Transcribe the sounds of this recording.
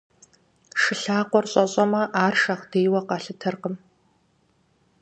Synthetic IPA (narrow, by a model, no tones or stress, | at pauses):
ʂɨɬaːqʷɔrɕʼɐɕʼɐmɐʔaːrʃɐχd̥eːjwɐqɑɬɨtʰɐrqəm